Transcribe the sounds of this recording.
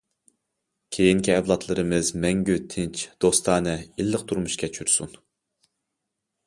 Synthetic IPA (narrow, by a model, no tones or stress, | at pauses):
kʲʰejiŋkʲiɛvlˠɑt̪ʰlˠɨɾɨmɨzmɛŋɡʲyt̪ʰɪnt͡ʃʰd̪̥ost̪ʰɑːnɨilːəq̚t̪ʰuɾmuʃkʲʰɛt͡ʃʰyɾsun